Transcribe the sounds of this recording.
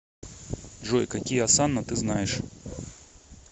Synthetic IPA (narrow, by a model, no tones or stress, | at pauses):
ʐojkɐkʲijəasanːət̪ɨznajɪʂ